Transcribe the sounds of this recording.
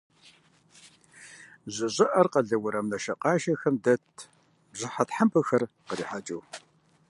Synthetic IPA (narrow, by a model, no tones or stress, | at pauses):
ʑɪɕʼɪʔɐrqɐɮɐwʊɾɐmnɐʃɐqɑːʃɐxɐmdɐtʰ | bʑɪħatħampʰɨxɐrqəɾiːħat͡ʃʼuw